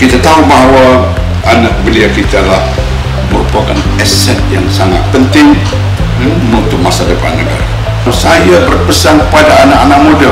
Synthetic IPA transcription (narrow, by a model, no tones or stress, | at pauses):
kit̪at̪aubaɦwa | anak̚bəliakit̪alah | məɾupakan | ɛsɛt̪̚jaŋsaŋa̰t̪̚pənt̪ɪŋ | munt̪ʊk̚masadəpa̰nəɡa̰ɾa̰ | sajabərpəsaŋkəpadaːnaʔanak̚moda